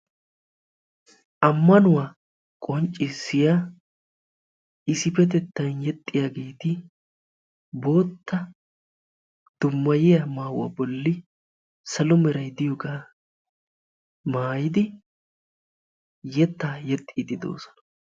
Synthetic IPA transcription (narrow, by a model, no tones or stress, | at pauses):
ʔɐmːɐnʊwaː | kʼɔnt͡ʃʼːɪsːɪja | ɪsɪfɛt̪̬ɛt̪ːɐjnjɛt̪ʼːɪjaːɡeːt̪ɪ | bo̞ːt̪ːɐ | d̪̥ʊmːɐjɪjamaːwɐ̰bɔlːɪ | sɐlɔmɛɾɐjd̪ɪjɔɡaː | maːjɪd̪ɪ | jɛt̪ːaːjɛt̪ʼːid̪ɪd̪o̞̰ːsɔ̥nɐ